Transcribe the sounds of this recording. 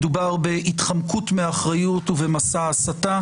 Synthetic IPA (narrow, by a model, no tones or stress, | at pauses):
dubaʁbe̞ʔitχamkutmeaχʁajutuvemasaːsata